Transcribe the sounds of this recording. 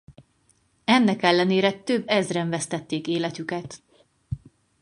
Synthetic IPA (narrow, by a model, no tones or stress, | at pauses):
ɛnːɛkɛlːɛneːɾɛt̪øbːɛzrɛɱvɛst̪ɛt̪ːeːkeːlɛt̪ykɛt̪